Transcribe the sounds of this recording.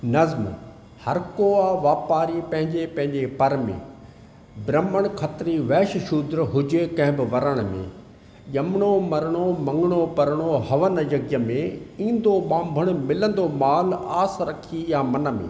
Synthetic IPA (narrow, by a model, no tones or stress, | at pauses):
nɐzm | hɐɾkoːaːʋaːpaːɾipɐ̃ɦɪ̃ɲd͡ʑepɐ̃ɦɪ̃ɲd͡ʑepɐɾmḛ̃ː | bɾɐməɽ̃kʰɐt̪ɾiʋɛːʃʃud̪ɾɦʊd͡ʑekɐ̃ɦɪ̃bɪʋɐɾəɽ̃mḛ̃ | ʄɐmɽ̃omɐɾɽ̃omɐ̃ŋɡɪɽ̃opɐɾɽ̃oɦɐʋənəd͡ʑɐɡjəmẽĩːnd̪oɓãːmbʱəɽ̃̆mɪlə̃nd̪omaːlaːsɾɐkʰijamɐnə̆mḛ̃ː